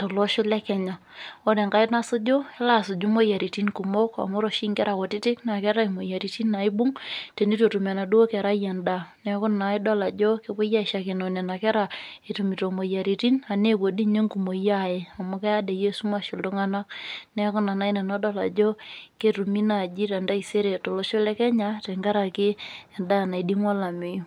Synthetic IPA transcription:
tɔ˨lɔ˦ʃʊ˦lɛ˦kɛ˨ɲa˨ | o˦de˨ŋka˦ɪ˦na˦sʊ˦d͡ʒo˦ɛ˦la˦˨sʊ˨d͡ʒu˦mo˦ja˨ɾi˨ti˦nku˨mo˦ka̰˨mo˦ɾo˨ʃi˦ŋkɛ˦ɾa˨ko˨tɪ˦tɪ˦kna˨kɛ˦ɾa˦i˨mo˨ja˨ɾi˨ti˦nːa˨ɪ˦bʊ˦ŋte˨ni˦to˨tu˨me˨na˨du˦wo˦kɛ˨ɾa˦ja˨nda˨nɛ˨˦kʊ˦nna˨ɪ˦dɔ˦la˨d͡ʒo˦ke˦bʊ˦ja˦ɪ˨ʃa˨ke˨no˨ne˨na˨kɛ˦ɾa˨e˨tu˨mi˨to˨mo˨ja˨ɾi˨ti˦na˨ne˦˨bo˨di˦ɲe˦ŋku˨mo˨ja˦je˨a˨mʊ˦ke˦a˦de˨je˦su˦ma˨ʃo˨ldo˦ŋa˦na˦knɛ˦kʊ˦na˨na˨˦i˦nɛ˨no˦dɔ˦la̰˨d͡ʒo˦ke˦tu˨mi˦na˨d͡ʒi˦ɾɛ˨nda˦i˨se˦ɾe˨to˨lo˦ʃo˦lɛ˦kɛ˦ɲa˦te˨ŋɡa˦ɾa˨ke˦ɛ˨nda˦˨na˨i˨di˦ŋwa˦la˨me˨ju˦˨

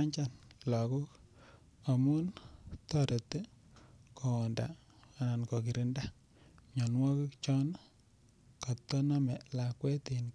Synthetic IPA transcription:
a˦ɲt͡ʃa˦˨nla˨ku˦k | a˨mu˦ntɔ˦ɾe˨te˦ko˨nda̰˨ | a˨na˨nko˨ki˨ɾi˦nda˦ | ɲɔ˨nwɔ˦ku˦kt͡ʃɔ˦n˦ | ka˨t̪ːɔ˦na˦mɛ˨la˨kwe˦ti˨n

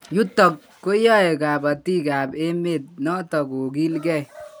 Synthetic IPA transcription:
ju˦tːɔ˨k̚ːo˦jɔ˦e˨ka˨ba˨ti˦ka˨pe˦me˦˨t̚nɔ˦tɔ˨ko˨k̬i˦lkɛ˦˨

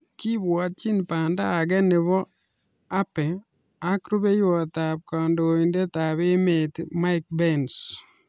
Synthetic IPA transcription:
ki˦βwɔ˨t̚t͡ʃi˦npa˨ndaː˦˨ɡɛ˦nɪ˨βɔ˦ | a˦pɛ˨ | a˦kɾu˦βe˦jwɔ˨t̪a˨p̚ka˨ndoinde˦ta˨βe˦me˨tɪma˦ɪk̚bɛns

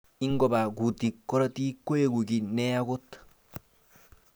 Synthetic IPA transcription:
i˦ŋɡɔ˨ba˨ɡu˨ti˨kːɔ˦ɾa˦ti˦kːo˦je˦ɡu˨ɡi˨nɛ˦a˦ɡo˦t̪

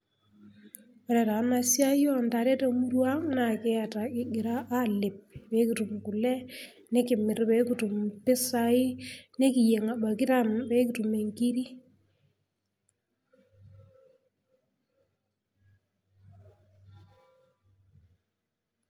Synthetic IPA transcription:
ɔ˨ɾɛ˨ta˨˦na˦sja˦jɔ˦˨nda˨ɾe˦ta˨mu˦ɾwa˦ŋna˨kɛ˦a˨ta˨kɪ˦ɡɪ˨ɾa˦ʔa˦lɪ˨p̚be˨˦ki˨tu˨mku˨lɛ˦ | ne˦kɪ˨mɪ˨ɾbe˨˦ku˨tu˨mpɪ˦sa˨ɪ˦ne˦ki˨je˨ŋa˨ba˨kɪ˦ta˦mbe˦ki˨tu˨me˨ŋki˦ɾi˦

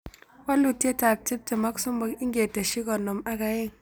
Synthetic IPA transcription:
wa˦lu˦˨tje˦ta˨p̚ti˦p̚te˨ma˦ksu˦mbɔ˦ki˦ŋɡʲe˨te˨ʃi˦kɔ˨no˨ma˦ka˨je˦ŋ

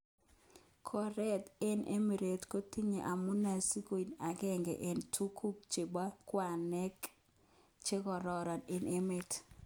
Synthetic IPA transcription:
kʰɔ˨ɾɛ˦te˦nʔḛ˦mi˨ɾe˨tko˦ti˦ɲḛ˨ʔa˨mu˦na˨si˦ko˨i˨na˨ɡɛ˦ŋɡɛ̰˨ʔe˨ntʰu˦kʰu˦k̚t͡ʃe˨ba˦kwa˨nɛ˦k | t͡ʃe˦kɔ˨ɾɔ˨ɾɔ˨nɪ˨ne˦me˨t

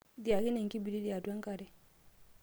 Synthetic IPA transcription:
di˨a˨ki˦nɛ˨ŋki˦bi˨ɾi˦di˦a˨dwa˦ŋ˦ka˨ɾɛ˨

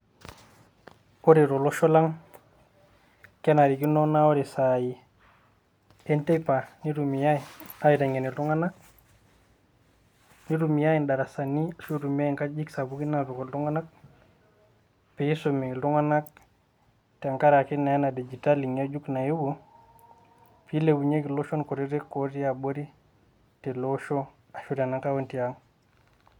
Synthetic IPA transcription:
ko˦ɾi˨ɾo˨lo˦ʃɔ˦la˦ŋ | kɛ˦na˨ɾi˨ki˦no˦na˦o˦ɾi˨sa˨ji˨ | ɛ˦nte˦pa˨ni˦ɾu˨mi˨ja˦i˨a˦ji˨ta˨ŋe˨ni˨ltu˦ŋa˦na˦k̚ | ni˦ɾumi˨ja˦i˨nda˨ɾa˨sa˨ni˦su˦ɾu˨mi˦a˦iŋka˦d͡ʒi˦ksa˨bu˦ki˦na˦be˨ko˨ltu˦ŋa˦na˦k̚ | pi˨i˦somi˨lu˦ŋa˦na˦k̚ | tɛ˨a˨ŋka˦ɾa˨ki˦na˨a˦na˨di˨d͡ʒi˨ta˦li˨ŋa˦d͡ʒu˦kna˨ju˦ɡu˦ | pi˦le˨bu˨ɲe˦ki˨lo˦ʃɔ˦nko˨ɾi˦ɾe˦ko˦ti˦a˨bo˦ɾi˦ | te˨lo˦ʃo˦ | a˨ʃu˦ɾa˨na˦ŋka˦wo˦nti˨ja˨ŋ

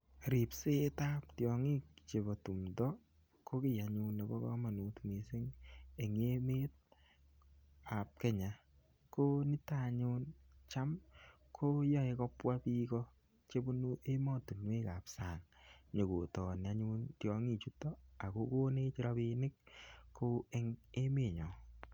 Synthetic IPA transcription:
ɾi˨pse˦ta˦p̚tjɔ˨ŋi˦k̚t͡ʃe˨bɔ˨tu˨mdɔ˦ | kʰo˦kɪ˦ja˨ɲu˦ne˨bɔ̰˦kɔ̰˦ma˨nu˨tu˨me˨se˦ŋe˨ŋe˦me˦t̚ | a˨p̚kɛ˦ɲa˨ | ko˦nɪ˦taɲʊ˦nt͡ʃa˦m | kʰo˦jɔ˦e˨kɔ˦pwa˦pi˦kɔ˦ | t͡ʃe˦bo˦nu˦ʔe˦mɔ˦tu˨nwe˦ka˨psa˨ŋɲo˨ko˨tɔː˨nɪ˨a˦ɲu˦ntjɔ˦ŋi˦˨t͡ʃu˦tːɔ˦a˨ko˦ko˦ne˦t͡ʃɪ˦ɾa˦bi˧nɪ˦kkʰːo˦e˦ŋe˦me˨ɲɔ˨

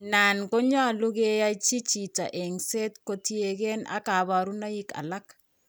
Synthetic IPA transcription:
na˨nko˦ɲa˦˨lu˦ɣe˦ja˦t͡ʃi˦t͡ʃi˨ta̰˨ʔe˨ŋse˦tko˦ti˦e˨ɣe˦na̰˨ka˨βa˨ɾu˦na˦jɪ˦ka̰˨la˦k

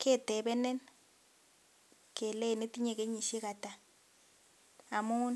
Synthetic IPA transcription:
kɛ˦˨tɛ˨bɛ˦nɛ˦n | kʰɛ˨lɛ˦˨ne˦ti˦ɲe˨ke˦ɲi˨ʃi˦ka˨ta˨ | a˨mu˦n

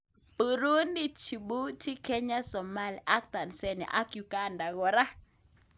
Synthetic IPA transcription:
bə˨ɾo˦ndi˦t͡ʃi˨ɓu˦ti˦ke˦ɲa˦sɔ˨ma˦li˨ʔa˦k̚ta˨nsɛ˦nɛ̰˨ʔa̰˦kju˨ɡa˦nda˨ɣɔ˨ɾa˦

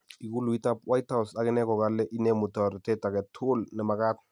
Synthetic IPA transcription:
i˨ku˦lu˨i˦ta˦pwa˦jtha˦wsakɪ˦nɛ˦kɔ˨ɡa˦lːɛ˦ʔi˦ne˦mu˨tɔ˨ɾtɛ˦ta˨kɛ˨tʰu˦lnɛ˨ma˨ka˦t

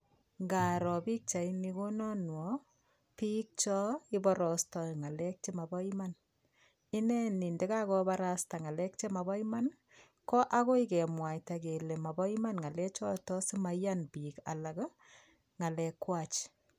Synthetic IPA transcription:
ŋɡa˨ɾɔ˨pi˦k̚t͡ʃa˨ini˧ko˦nɔ˦nwɔ˨ | pi˦k̚t͡ʃɔ˦i˦bɔ˦ɾɔ˨stɔ˨ŋa˨lɛ˦k̚t͡ʃe˦ma˨bɔ˦i˦ma˦n | ɪ˦nɛ˦ni˨nde˦ka˦kɔ˦ba˦ɾa˦sta˨ŋa˨lɛ˦kt͡ʃe˦ma˨ba˦ima˦n | kɔ˦ʔa˦ko˦i˦kɛ˨mwa˨jta˨ke˨le˨ma˨bɔ˦ima˦nŋa˨lɛ˦t͡ʃɔ˦tɔ˦sɪ˦ma˦ja˦nbi˨ka̰˨la˨k | ŋa˨lɛ˨kwa˨t͡ʃ

